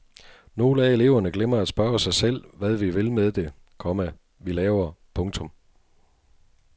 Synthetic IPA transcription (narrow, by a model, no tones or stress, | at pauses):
no̝ːləæe̝le̝̰ʊ̰ɐnəɡ̥lemɐæd̥sb̥ɶɐsɑ̈ɪsel̰ʋæðˠʋiʋe̝lmeð̞ˠd̥e̝ | kʰɒ̽mə | ʋilɛːʊɐpʰɔ̽ŋt͡sʰɔ̽m